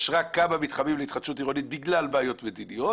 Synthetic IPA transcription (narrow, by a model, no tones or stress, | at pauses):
ʃʁakamamit̪χamimleit̪χadʃut̪̬iʁonit̪̚biɡlalbaːjo̞t̪med̪inijo̞